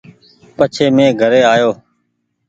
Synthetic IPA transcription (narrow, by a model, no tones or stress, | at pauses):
pət͡ʃʰeːmẽːɡʱəɾeːaːjoː